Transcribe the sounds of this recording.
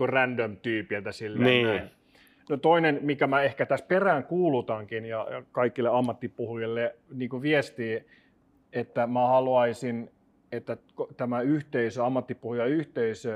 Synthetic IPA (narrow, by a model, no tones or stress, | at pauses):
urændømt̪yːpilt̪æsilːennːæn | not̪oinenmikæmæehkæt̪æsperæːŋkuːlut̪ɑŋkinjɑjɑ̰kɑikːilːeɑmːɑt̪ːipuhujilːeniːŋkuʋiest̪iː | et̪ːæmæhɑluɑisin | et̪ːækot̪æmæyht̪eisøɑmːɑt̪ːipuhujɑyht̪eisø